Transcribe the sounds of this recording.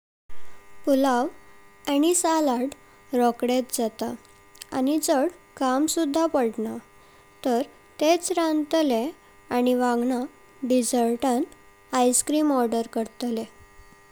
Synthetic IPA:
pulaʋañisalaɽ | ɾɔkɽet̪̚d͡zat̪a | a̰nid͡zəɽkamsud̪ʱːapəɽna | t̪əɾ | t̪et͡sɾãnt̪le | añiʋãŋɡɳa | ɖid͡zəɾʈãn | ajskɾimɔɾɖəɾkəɾt̪le

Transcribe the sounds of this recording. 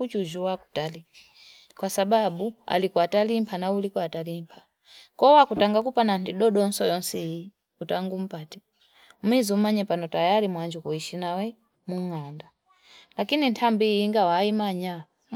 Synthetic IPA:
ut͡ʃuʒuwaku̥tali | kwasaɓaɓua̰likɔatalimpʰanaulikɔatalimpʰḁ | kɔwakutaŋɡakupanandiɗɔɗɔnsɔjɔnsɛii | utaŋɡum̩patɛ | mwizumaɲɛpanɔtajaɾimwand͡ʒukɔiʃinawɛ | muŋanda | lakinintʰambiːŋɡawaimaɲa

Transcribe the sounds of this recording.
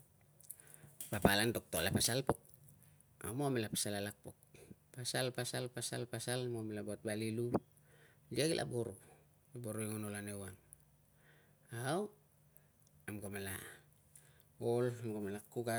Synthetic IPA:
papalantok̚tolapasalpok̚ | a̰momelapḁsalalak̚pok̚pasalpasalpasa̰lpasalmomelabot̚balilu | liaɡilʔa̰boɾu | laboɾueŋonolanewaŋ | aw | amɡomela̰ | olamɡomelakuɡa

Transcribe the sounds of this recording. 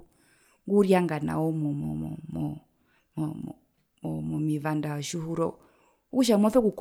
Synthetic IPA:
ŋɡuɾjaŋɡana̰ɔmɔmɔm̰mɔ | mɔmɔmivandaɔʃuhuɾɔ | uʃ̬amɔθɔkuk

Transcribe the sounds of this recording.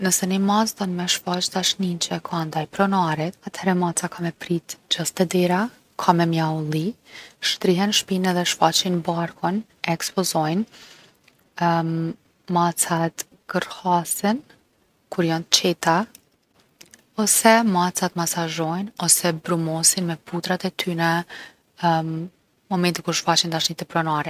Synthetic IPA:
nəsɛnimat͡st̪ɔnmɛʃfat͡ʃt̪aʃnint͡ʃɛkʰand̪ajpɾɔnaɾit̪at̪hɛɾɛmat͡sakʰamɛpɾit̪d͡ʑast̪ɛd̪ɛɾa | kʰamɛmjaulˠiʃt̪ɾiɦɛnʃpinɛðɛʃfat͡ɕinbaɾkʰɔn | ɛkspɔzɔjn | mat͡sat̪ | ɡ̥əɾhasɛn | kuɾjɔnt̪t͡ɕɛt̪a | ɔsɛmat͡sat̪masaʒɔjnɔsɛbɾumɔsinmɛput̪ɾat̪ɛt̪ʰynə | mɔmɛnt̪ikuɾʃfat͡ɕind̪aʃnit̪ɛpɾɔnaɾɛ

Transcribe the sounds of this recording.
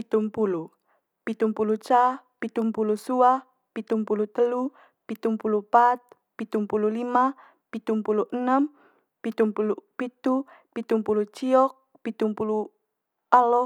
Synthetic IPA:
pit̪umpulu | pit̪umpulut͡ʃa | pit̪umpulusuah | pit̪umpulut̪əlu | pit̪umpulupat̪̚ | pit̪umpululima | pit̪umpuluʔənəm | pit̪umpulupit̪u | pit̪umpulut͡ʃiɔk̚ | pit̪umpulu | alɔ

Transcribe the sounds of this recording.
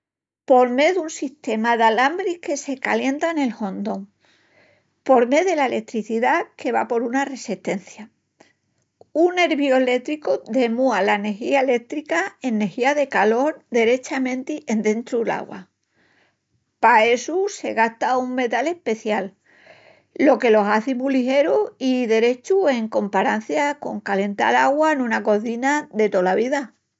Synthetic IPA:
po̞ɾme̞ðunsist̪e̞maðalambɾike̞se̞ka̰lje̞nt̪aene̞lho̞nd̪o̞ŋ | po̞ɾme̞ðelaele̞k̚t̪ɾiθiðake̞β̞a̰po̞ɾunare̞siht̪e̞nθja | unne̞ɾβjoele̞t̪ɾikoðe̞mualane̞xiae̞le̞k̚t̪ɾikae̞nːe̞xiaðe̞kalo̞ɾd̪e̞ɾe̞t͡ʃamẽ̞nt̪iʔe̞nd̪ẽ̞nt̪ɾuela̰ɣwa̰ | pae̞suse̞̰ɣaht̪auŋme̞t̪ale̞hpe̞θjal | o̞ke̞lo̞ɦaθimulixe̞ɾuiðe̞ɾe̞t͡ʃue̞ŋko̞mpaɾan̟θjako̞̰ŋkale̞nt̪a̰laɣwanũnako̞θinaðe̞t̪o̞laβiða

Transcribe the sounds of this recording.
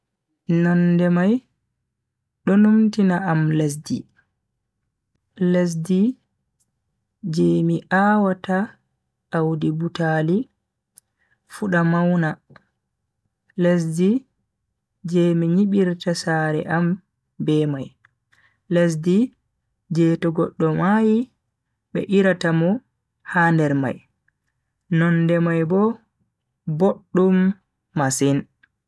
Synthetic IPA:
nɔndɛmaj | ɗɔnumtinaʔamles̬dḭ | les̬di | d͡ʒeːmiʔaːwata | awdibutali | fuɗamawna | les̬di | d͡ʒɛmiɲiɓiɾtasaɾɛ̰ʔam | bɛmaj | les̬di | d͡ʒɛːtɔɡɔɗːɔmaji | ɓɛʔiɾatamɔ | haːndɛɾma̰j | nɔnːdɛmajbɔ | boɗːumː | asin

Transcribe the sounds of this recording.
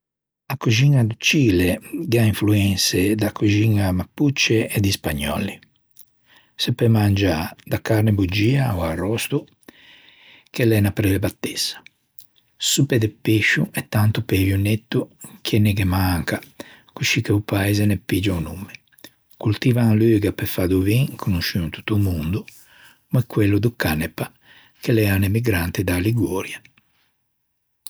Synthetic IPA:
akud͡ʒiŋːad̪ut͡ʃiːlɛɡaiɱfluɛnsɛd̪akːud͡ʒiŋːamapːut͡ʃːɛɛd̪ispaɲːɔ̰lːi | supːɛmand͡ʒad̪akaɾnɛbud͡ʒiːaɔarɔst̪u | k̟ɛlɛnapɾɛlɛbat̪ːɛsḁ | supɛd̪ɛpːeʃːuɛt̪ːant̪upevjunet̪ːukʰɛnːɛɡɛmaŋka | kuʃikeupaɛzɛnɛpid͡ʒaunumːɛ | kult̪ivaløːɡapɛfad̪uviŋkʰunuʃynut̪u̥t̪ːumund̪u | mɛkːwelːud̪ukanːɛpa | kelɛanemiɡɾant̪ɛd̪aliɡɔːɾja

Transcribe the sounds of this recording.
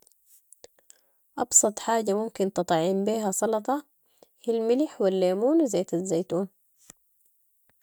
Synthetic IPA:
ʔɑbsˤɑt̪ˤħaːɟamumkint̪ɨt̪ˤʕɪmbiːɦasˤɑlɑt̪ˤɑ | hilmɪliħwilːeːmuːnzajːt̪azːajt̪uːn

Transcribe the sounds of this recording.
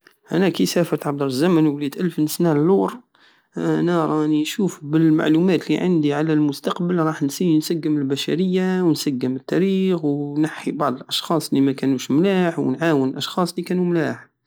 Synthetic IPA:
ʔænːækisæfəɾt̪ʕɑb̚d̪ɑɾˤzæmənwlid̪ʔælfnəsnælːuɾˤ | nɑɾˤɑʔnːiʃufbəlma̰ʕlumæt̪liʕə̰nd̪iʕalælmʊst̪ɑqbəlɾˤɑħnsinsæɡːəməlbæʃæ̰ɾəjːawnsæɡːəmət̪ːæɾixwnaħːibɑʕd̪ˤəlʔɑʃxɑsˤlimækænuʃmlæːħw̰nʕawənlʔɑʃxɑsˤlikænumlaħ

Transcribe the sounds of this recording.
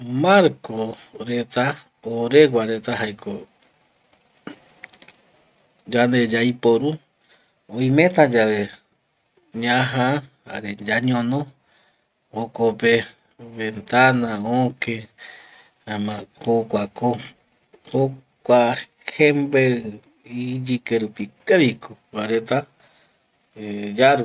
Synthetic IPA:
maɾkoɾet̪a | oɾewaɾet̪aɦajkʰo | d͡ʒand̪ed͡ʒajpoɾu | õj̃mẽt̪ãd͡ʒaβe | ɲãɦãha̰ɾed͡ʒaɲõnõ | okope | βent̪anãõke | mãhokʷako | ho | kʷa | hembe | id͡ʒikeɾupikeɾikʰobaɾet̪a | d͡ʒaɾu

